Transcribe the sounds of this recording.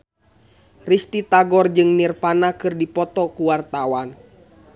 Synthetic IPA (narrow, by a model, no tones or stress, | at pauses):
rist̪it̪aɡɔrd͡ʒɨŋnirpanakɨrdipɔt̪ɔkuwart̪awan